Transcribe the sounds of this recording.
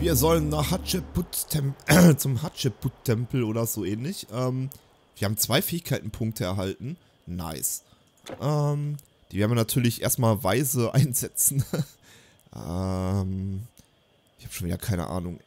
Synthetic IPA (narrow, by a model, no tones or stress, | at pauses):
viːɐzɔlənːaːχhatt͡ʃɛbʊtʰɛmt͡sʊmhatʃɛb̥ʊttʰːɛmpl̩ʔoːɾɐzoːʔɛːnlɪçʔɛːm | viːɐhaːbm̩t͡sv̥aɪfɛːɪçkʰaɪtn̩pʰʊŋk̚tʰəɛɐɦaltn̩ | na̰ɪs | ʔɛːm | d̥iːvɛɐdnviːɐnatʰyːɐlɪçʔḛːɐstmaːlvaɪzəʔa̰ɪnzɛt͡sn̩ | ʔɛm | ʔɪçhaːbəʃoːnviːdɐ̰kʰaɪnə̰ʔa̰ːnʊŋ